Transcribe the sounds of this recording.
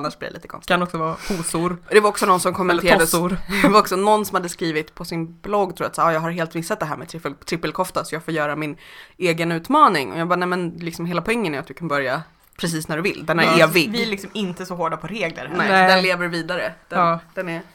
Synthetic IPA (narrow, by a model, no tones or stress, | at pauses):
nːaʂblɛ̰v̰ɛ̰liːt̪əkʰɔ̰nst̪kʰanɔksɔvɑːpʰuːsʊɾɔd̪ɛvaɾɔksɔnɔnːsɔmkʰɔmːɛneːɾad̪əɾɛvaɾɔksɔnɔnːsɔmhad̪ːəskɾiːvɪt̪pʰɔsɪnblɔɡ̪ːʰɾuːɾat̪saːɾːjɑːɡhaɾɦeːlt̪vɪsːat̪̚d̪ɛɦæːɾmɛt̪ʰɾɪpːəlt̪ʰɾɪpːəlkʰɔft̪asɔjɑːɡfoːɾjœːɾamɪneːɡənʉ̟ːt̪mɑːnɪŋɔ̰jɑɡbɑːnɛmɛnlɪksɔmɦeːlapʰɔɛŋːənæɾat̪vɪkʰanbœɾja | pʰɾɛs̬iːsnæɖɵvɪ̰ld̪ɛnæɾeːvɪɡvɪælɪksɔmɪnt̪əsɔhoːɖapʰɔɾeːɡlə̰ɾnɛɛnleːvəɾviːd̪aɾəd̪̥ɛd̪̥ɛnɛ